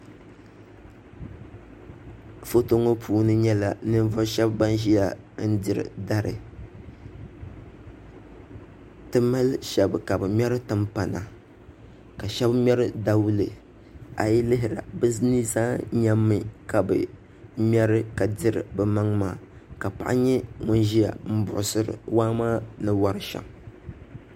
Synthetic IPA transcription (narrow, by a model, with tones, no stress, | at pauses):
fo˦to˦ŋo˦pʰuː˦nɨ˦ɲɛ˦la˨nɨ˦n˦vɔ˦ʃɛ˦bba˦nʒi˦ja˦˨ | n̩˦dɪ˨ɾɨ̰˨da˦ɾɨ̰˨ | tɨ˦ma˦lʃɛ˨bɨ˨ka˨bɨ˨mʲɛ˦ɾɨ˦tɨ˦mpa˨na̰˨ | ka˨ʃɛ˦bm˦ɛ˦ɾɨ˦da˦wu˦lɨ˨ | a̰˨ji˦lɪ˦ɦɪ˨ɾa̰˨bɨ˦ni˦zaː˦ɲa˦mːɨ˦ka˨bɨ˨ | mʲ˦ɛ˦ɾɨ˦ka˨dɪ˦ɾɨ̰˨bɨ˨ma˦ŋmaː˦˨ | ka˨pa̰˨ʔa̰˦ɲɛ˦ŋʊ˦nʒi˦ja̰˨m̩˦bʊ̰˨ʔʊ˨sɨ˨ɾɨ̰˨waː˦maː˦nɨ˦wa˦ɾɨ˦ʃa̰˨m